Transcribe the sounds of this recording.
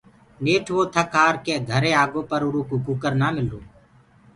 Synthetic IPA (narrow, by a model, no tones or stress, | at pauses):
neːʈʰʋoːt̪ʰəkaːɾkeːɡʱəɾeːaːɡõːpəɾʊɾuːkuːkuːkəɾnaːmɪloː